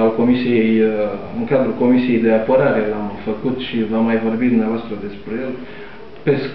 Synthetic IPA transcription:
ulko̞misijej | ɨŋkad̪ɾuko̞misije̞jd̪eapoɾaɾelamfəkut̪ʃivamːajvo̞rbit̪d̪umneavoast̪ɾəd̪e̞spɾejel | pes

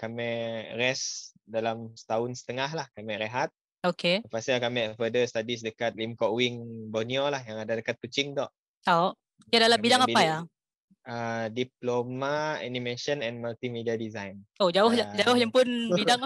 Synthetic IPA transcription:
kamɛ̃ʔrɛsdalamsə̥t̪aʊnsə̥t̪əŋaɦlahkamɛʔɾeɦat̪̚ | okepasalkamɛʔfədəst̪adis̬dəkat̪̚limkɔʔwiŋbɔniolahjaŋadadəkat̪̚kut͡ʃɪŋd̪ɔʔ̪ | aʔ | kɛdalambidaŋapaja | ədiplomaa̰nimeʃənɛ̃nmalt̪imediadizajnod͡ʒaʊhad͡ʒaʊhjaŋpʊnbidaŋ

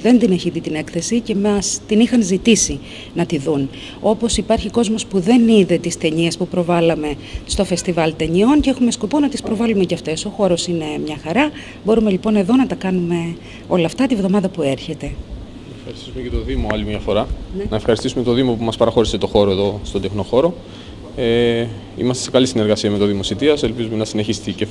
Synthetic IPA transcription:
ðe̞nd̪ineçiðit̪ine̞kθe̞sice̞mɐst̪inixɐnzit̪isi | nɐt̪iðun | o̞po̞sipɐɾçiko̞zmo̞spuðe̞niðe̞t̪ist̪e̞ɲiespupɾo̞vɐlɐme̞ | st̪o̞fe̞st̪ivɐlt̪eɲio̞nceexume̞sko̞po̞nɐt̪ispɾo̞vɐlumeceɐft̪e̞so̞xo̞ɾosine̞mɲɐxɐɾɐ | bo̞ɾume̞lipo̞ne̞ðo̞nɐt̪ɐkɐnume̞ | o̞lɐft̪ɐt̪ivðo̞mɐðɐpue̞ɾçe̞t̪e̞ | efxɐɾist̪i̥sumeɐt̪oðimoɐlimɲɐfo̞ɾɐnɐefxɐɾist̪isumet̪oðimo̞pumɐspɐɾɐxo̞ɾise̞t̪o̞xo̞ɾoeðo̞st̪ond̪e̞xno̞xo̞ɾo̞ | e | ḭmɐst̪e̞se̞kɐlisine̞ɾɣɐsiɐme̞t̪oðimo̞sit̪iɐselpizume̞nɐsine̞çist̪ice

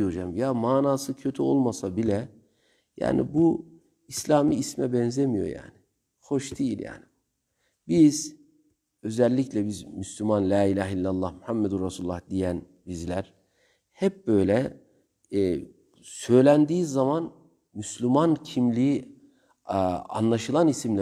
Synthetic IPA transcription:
jod͡ʒamjamaːnaːsɯcʰø̞t̪ʰyolˠmasabilʲɛ | ja̰ːnḭbu | islʲaːmiːsmɛbɛnzemijo̰ja̰ːnɪ | ho̞ʃd̪ijilʲja̰ːni | biz | ø̞zælʲːiclʲɛbizmyslʲymanlʲaːilʲaːɦilʲːalˠːɑhmyhamːed̪unɾasululˠːahd̪ijæn | bizlʲæɾ̥ | hɛp̚bø̞jlʲɛ | sø̞jlʲænd̪iːzːaman | myslʲymancʰimlʲii | a̰nlˠaʃɯlˠanisimlʲæ

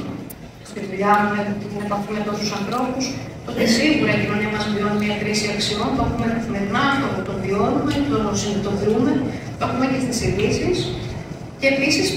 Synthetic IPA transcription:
st̪ivuʎɐnumeot̪iine̞pɐfimɐt̪o̞st̪usɐnθɾo̞pus | t̪ot̪esiɣuɾɐicino̞niɐmɐsimvio̞nimɲɐkɾisiɐksio̞np̪oexumemenɐft̪ot̪ot̪o̞nðio̞numept̪osinot̪o̞ðume̞t̪oexumecest̪isiðisis | ce̞ːpisis

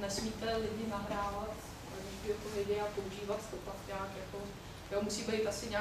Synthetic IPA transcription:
nɛsmiːt̪ɛlɪdɲɪnaɦɾaːvat̪ | a̰ɡɪʃbɪɛt̪ovɪɟɪapouʒiːvat̪t̪opakɲaːkjako̞ | jomusiːbɛjt̪asɪɲaː

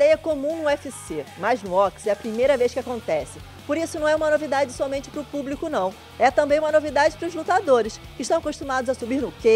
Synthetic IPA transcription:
id̪ɛjɐkomũnʊɛfɪsemajznʊɔksɛɐpɾimejɾɐvejʃkɪakõnt̪ɛsɪ | poɾisʊnɐ̃w̃ɛũmɐnovid̪ad͡ʒɪsɔmẽt͡ʃɪ̥pɾʊpublikʊnɐ̃w̃ | ɛt̪ɐ̃mbẽj̃ũmɐnovid̪ad͡ʒɪpɾʊzlut̪ad̪oɾɪskɪʃt̪ɐ̃w̃ɐkoʃt̪umad̪ʊzɐsubiɾnʊke

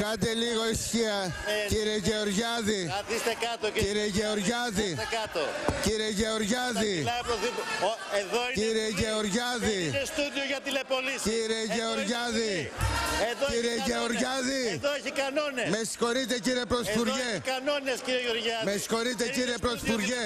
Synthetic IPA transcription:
kɐd̪eliɣo̞isçiɐciɾieʝeoɾʝɐðiɐðist̪ekɐt̪ociɾieʝeoɾʝɐðiekɐt̪ociɾieʝeoɾʝɐðilɐpɾoðipeðociɾieʝeoɾʝɐðinest̪uðioʝɐt̪ilepolisciɾieʝeoɾʝɐði | eðoiɾieʝeoɾʝɐðiðoeçikɐnonesmesko̞ɾit̪eciɾiepɾot̪ifuɾʝekɐnonesciɾioʝeoɾʝɐðmeskoɾit̪̬eciɾiepɾot̪ifuɾʝe

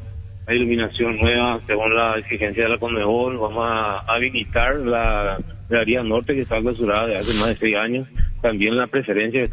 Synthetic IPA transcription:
ajiluminasjo̞nːwe̞βaseɣunlaiksixe̞nsjaðelakond̪eβolβamosːβilit̪aɾla | ɣeaɾiano̞ɾt̪e̞keːst̪aklas̬uɾaðaðease̞mazðesejsaɲo̞st̪ambje̞nlapɾe̞feɾe̞ns̬jaket̪

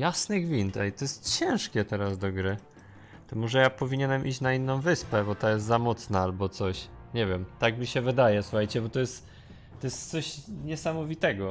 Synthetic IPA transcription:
jasnɘɡvʲint̪ɛjt̪ɔjɛst̪t͡ɕɛ̃w̃ʂkʲɛt̪ɛɾazd̪ɔɡɾɘ | t̪ɔmɔʐɛjapɔvʲiɲenɛmʔḭt͡ɕnainːɔ̃w̃vɘspɛbɔt̪ajɛst̪zamɔt̪snaalbɔt̪sɔɕɲɛvʲɛmt̪aɡmʲiɕɛvɘd̪ajɛsu̥xajt͡ɕɛbɔt̪ɔjɛst̪ | t̪ɔjɛst̪t̪sɔɕɲɛsamɔvʲit̪ɛɡɔ

